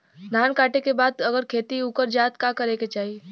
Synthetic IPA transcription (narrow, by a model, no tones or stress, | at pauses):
d̪ʱaːnkaːʈekebaːd̪ɐɡəɾkʰeːt̪iukəɾd͡ʒaːt̪kakəɾeket͡ʃaːɦi